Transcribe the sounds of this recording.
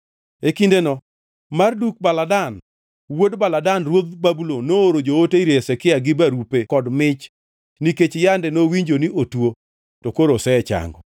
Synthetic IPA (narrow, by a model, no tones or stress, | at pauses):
ekindenɔ | marduk̚baladan | wodbaladanrwod̪̚babulonooɾod͡ʒooteiɾesɛkɪaɡɪbaɾupekɔdmɪt͡ʃ | niket͡ʃjandɛnowiɲd͡ʒoniʔotwo | tokoɾosɛɛt͡ʃa̰ŋɡɔ